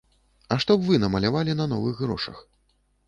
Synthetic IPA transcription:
ɐʂt̪ɔbvɨnɐmɐlʲavalʲinɐnɔvɨɣɣɾɔʂɐ̰x

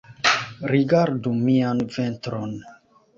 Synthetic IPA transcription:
ɾiɡaɾdumianventɾon

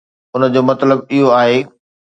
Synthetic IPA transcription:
ʊnəd͡ʑoːmɐt̪ləb̚ɪɦoaːɦeː

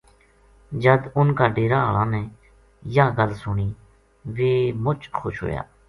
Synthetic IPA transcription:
d͡ʒəd̪ʊnkaːɖeːɾaːɦəːlãːnɛ̃ː | jãːɡəlsʊɳiː | ʋeːmʊt͡ʃxʰo̰ːʃɦo̰ːja̰ː

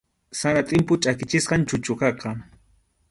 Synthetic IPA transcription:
sanat̪ʼɪmpʊt͡ʃʼakɪt͡ʃɪsqɑnt͡ʃʊt͡ʃʊkɑqɑ

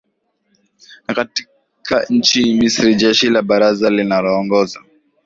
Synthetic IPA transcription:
nakati̥ | kʰaɲ̩t͡ʃimisɾid͡ʒɛʃilaɓaɾazalinalɔːŋɡɔza̰

